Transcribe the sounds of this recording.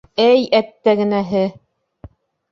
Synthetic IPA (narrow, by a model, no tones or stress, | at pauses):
æjæt̪ːæɡɘ̆næɦɘ